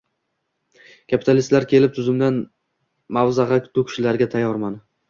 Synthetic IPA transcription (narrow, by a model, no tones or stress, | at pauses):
kʲʰapʰi̥t̪ʰalist̪laɾkʲʰe̞lɪp̚t̪ʰʊzɪmd̪an | mawzaʁɑkʰʊ̥t̪ʰʊkʰʊ̥ʃɪlaɾɡʲat̪ʰajːɒɾman